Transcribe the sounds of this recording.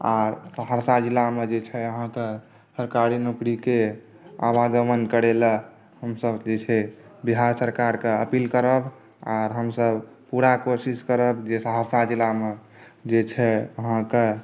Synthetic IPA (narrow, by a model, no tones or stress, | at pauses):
a̰ɾsəɦaɾsad͡ʒilamed͡ʒet͡ʃʰɛəɦãke | səɾkaɾinukɾike | a̰ʋaɡəmənkəɾelə | həmsəbd͡ʒet͡ʃʰɛbiɦaɾsəɾkaɾkeəpilkəɾəb | a̰ɾɦəmsəbpuɾakosiskəɾəbd͡ʒesəɦəɾsad͡ʒilame | d͡ʒet͡ʃʰɛəɦãke